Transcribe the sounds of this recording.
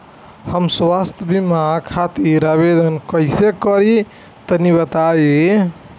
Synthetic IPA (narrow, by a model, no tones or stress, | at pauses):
həmswast̪ʰəbimakʰat̪iɾaβed̪ənkəjsekəɾi | t̪əniβət̪ae